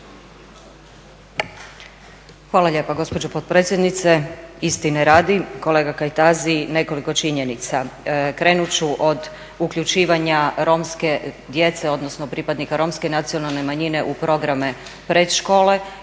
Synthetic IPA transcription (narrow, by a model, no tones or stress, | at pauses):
xʋaːlˠaʎʲe̞ːpaɡo̞spod͡ʑopot̪̚pɾet̪sjed̪nit̪seist̪ineɾaːd̪iko̞le̞ːɡakajt̪azine̞ko̞likot͡ʃiɲe̞nit̪sakɾe̞ːnut͡ɕuʔo̞d̪ | ukʎut͡ʃiːʋaɲaɾo̞mske̞ | d̪je̞t̪se̞o̞d̪nosno̞pɾipad̪nikaɾo̞mske̞nat̪sio̞nalˠnemaɲine̞ʔupɾo̞ɡɾame | pɾed̪ʃko̞ːle̞